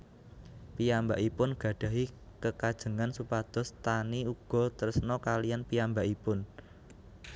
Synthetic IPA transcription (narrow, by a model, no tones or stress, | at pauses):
pijambaʔipʊnɡ̥ä̤ɖ̥ä̤ɦikəkad̥ʒ̥ə̤ŋansupad̪̥ɔ̤st̪aniuɡ̥ɔ̤t̪əɾsnɔkalijanpiambaʔipʊn